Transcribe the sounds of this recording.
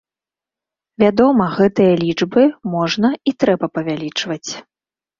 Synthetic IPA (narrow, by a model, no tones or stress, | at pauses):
vʲad̪ɔmɐɣɛt̪ɨjɐlʲid͡ʐbɨmɔʐnɐit̪ɾɛbɐpɐvʲalʲit͡ʂvɐt͡sʲ